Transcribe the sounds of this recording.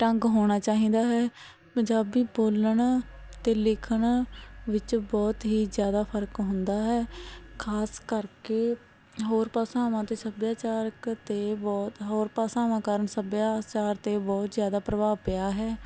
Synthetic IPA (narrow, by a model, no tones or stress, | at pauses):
ʈəŋɡɦoːɽ̃aːt͡ʃaːɦĩːd̪aːɦɛː | pəɲd͡ʒaːbiːboːləɳ | t̪eːlɪkʰəɳʋɪt͡ʃbɔːt̪ɦiːzjaːd̪aːpʰəɾkɦʊ̃nd̪aːɦɛːkʰaːskəɾkeː | ɦoːɾpaːsãːmãːt̪eːsəbjaːt͡ʃaːɾəkt̪eːbɔːt̪ɦoːɾpaːsaːʋãːkəɾəɳsəbjaːt͡ʃaːɾt̪eːbɔːt̪zjaːd̪aːpɾəʋaːpɪjaːɦɛː